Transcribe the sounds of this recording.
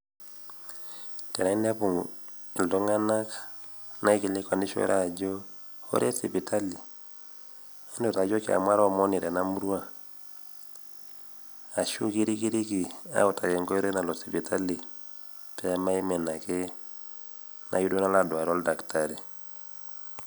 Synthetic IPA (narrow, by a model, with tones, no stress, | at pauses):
tɛ˨na˨i˦nda˦pu˨ŋ | i˨ldɔ˦ŋa˦na˦k | na˦i˦ki˨le˦kwa˨ndi˦ʃo̰˦ɾa̰˦˨d͡ʒɔ˦ | o̰˦ɾe˦si˨pi˨tʰa˦li˨ | a˦ndɔ˨ta˨d͡ʒɔ˦ki˦a̰˨mwa˦ɾɔ˦˨mɔ˦ni˨ɾɛ˨na˦mu˦ɾwa˦ | a˨ʃu˦ki˦ɾi˦ki˦ɾi˦ki˨a̰˦u˨ta˨kɛ˨ŋɡɔ˦i˦ɾe˦na˨lɔ˨si˨pi˨ta˦li˨ | pɛ˦a˦ma˦i˦mɛ˨na˨kɛ˦ | nʔa̰˨ju˦do˦na˦la˨dwa˨ɾɔ˦lda˨kta˨ɾi˨